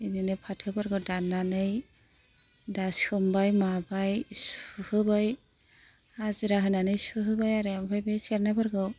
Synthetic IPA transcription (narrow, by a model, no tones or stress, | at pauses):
ininɯpʰatʰɯbaɾɡɯwdanːanɯj | daskʰɯmbajmabajsuhɯbaj | aziɾaɦɯnanɯjsuɦɯbajaɾɯambʰajbejsɛɾnabaɾɡɯw